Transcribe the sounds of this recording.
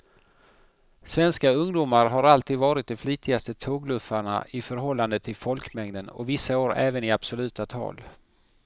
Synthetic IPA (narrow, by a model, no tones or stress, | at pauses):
svɛnskaɵŋd̪uːmaɾɦaɾalt̪ʰiːd̪vɑːɾɪt̪̚d̪ɛfliːt̪ʰɪɡast̪ət̪ʰoːɡlɵfːaɳa̰ʔɪfœɾɦɔlːand̪ət̪ʰɪlfɔlkmɛŋd̪ənɔ̰vɪsːaoːɾɛːvənɪab̥sɔlʉ̟ːt̪at̪ʰɑ̰ːl